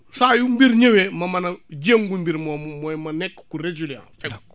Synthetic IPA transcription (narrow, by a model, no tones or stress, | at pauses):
saːjumbiɾɲewemɐmɐnɐd͡ʒeːŋɡumbiɾmomɔjmɐnɛkːkuɾed͡ʒulã̰ːnfɛk